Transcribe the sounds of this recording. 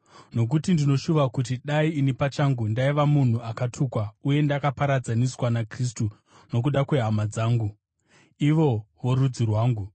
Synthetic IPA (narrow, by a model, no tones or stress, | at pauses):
no̞k̬utindino̞ʃuʋakut̬iɗaiːnipat͡ʃaŋɡundaiʋamun̤uʔakatʰuːkwauje̞ndakapaɾad͡zaniswanakris̬tu | no̞k̬uɗakwe̞ɦamad͡zaːŋɡu | iʋo̞ʋo̞ɾud͡zirwaːŋɡu